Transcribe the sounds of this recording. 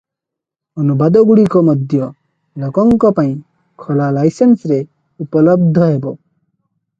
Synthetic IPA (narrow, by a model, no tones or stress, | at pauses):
ɔnubad̪ɔɡuɽikɔmɔd̪ʱjɔ | lɔkɔŋkɔpaĩ | kʰɔlalajsensɾe | upɔlɔb̚d̪ʱɔɦebɔ